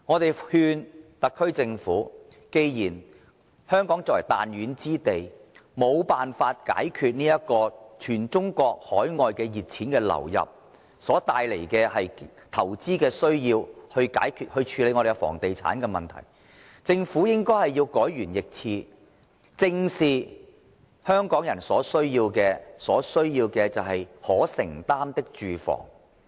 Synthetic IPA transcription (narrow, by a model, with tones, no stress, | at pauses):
ŋɔː˨˧t̪e˨jhyː˧nt̪ɐ˨kʰːɵ˥ɥt͡sɪ˧ŋfṵː˨˥ | ke˧jjiː˨˩n | hœː˥ŋkɔː˨˥ŋt͡sɔ˨˩wɐ˨˩t̪a̰ː˨njyː˨˧nt͡siː˥t̪e˨jmo˨˧wpaː˨nfaː˧t̚ka̰ː˨˥jkʰyː˨˧t̚niː˥jɐ˥t̚kɔː˧t͡ʃʰyː˨˩nt͡sʊ˥ŋkɔː˧k̚hɔː˨˥jŋɔː˨˧jkɛː˧jiː˨t̚t͡sʰiː˨˥nkɛː˧lɐ̰˨˩wjɐ̰˨p̚ | sɔː˨˥t̪aː˨jle˨˩jkɛː˧hɐ˨jt̪ʰɐ˨˩wt͡siː˥kɛː˧sɵ˥ɥjiː˧whɵ˧ɥka̰ː˨˥jkʰyː˧t̚hɵ˧ɥt͡ʃʰyː˧le˨˧ŋɔ˧ɾe˨jwfɔ̰ː˨˩ŋt̪e˨jt͡sʰa̰ː˨˥nkɛː˧mɐ˨nt̪ʰɐ̰˨˩j | t͡sɪ˧ŋfuː˨˥jɪ˥ŋkɔː˥jhɐ˨jjiː˧wkɔː˨˥jɥyː˨˩njɪ˨k̚t͡sʰiː˧ | t͡sɪ˧ŋsiː˨ | hœː˥ŋkɔː˨˥ŋjɐ˨˩nsɔː˨˥sɵ˥ɥjiː˧wkɛː˧sɔː˨˥sɵ˥ɥjiː˧wkɛː˧t͡sɐ˨wɦɐ˨jhɔː˨˥sɪ̰˨˩ŋt̪aː˥mt̪ɪ˥k̚t͡ʃyː˨fɔ̰ː˨˩ŋ